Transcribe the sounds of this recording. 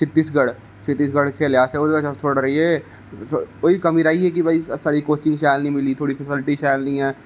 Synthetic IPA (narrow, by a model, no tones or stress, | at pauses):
t͡ʃʰɪt̪ːiːsɡɐɽ | t͡ʃʰɪt̪ːiːs̬ɡɐɽkʰeːljaːseoːɾbɐt͡ʃɐt͡ʃʰoːɽɾɐɦiɦɛː | oːikɐmiɾaːiɦɛk̬ibʱɐissaːɾikoːt͡ʃɪ̃ŋɡʃaːjlnɐĩmɪlit̪ʰoːɽipʰɛsɪlɪʈiʃaːjlnĩɦɛː